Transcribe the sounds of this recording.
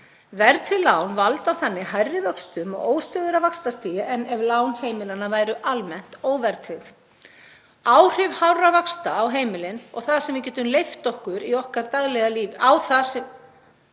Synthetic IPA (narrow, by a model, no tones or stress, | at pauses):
vɛɾt̪ʰɪlːaːwnvalt̪awθanːɪhajrːɪvœkst̪ʏmɔ̰ɣoːwst̪œːðʏɾavakst̪ast̪iːjɪʔɛnːɛvlaːwnheːjmɪlanavaːjɾʏʔalmɛn̥t̪oːwvɛɾt̪ʰɪf | aːwr̥ʏvhawɾavakst̪aːwɦeːjmɪlɪnɔ̰ɣθaðsɛmvɪcɛːt̪ʏmlejft̪ɔhkʏɾiɔhkaɾt̪aɣlɛɣaliːvɪawθasɛ